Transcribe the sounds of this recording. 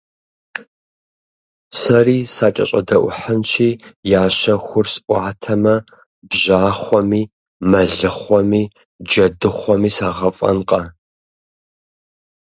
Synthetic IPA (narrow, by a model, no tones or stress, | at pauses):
sɐriːsaːt͡ʃʼɐ̰ɕʼɐ̰dɐʔʷʊħənʃʰiːjaːɕɐxʷʊrsʔʷɑːtʰɐmɐ | bʑaːχʷɔmiː | mɐɮɨχʷɔmiː | d͡ʒɐdɨχʷɔmiːsaːʁɐfʼɐ̰nqʼɐ